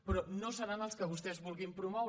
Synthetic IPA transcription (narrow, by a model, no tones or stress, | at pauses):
pɾɔnõsəɾanəlˠskəβust̪ɛzβulˠɣimpɾumɔ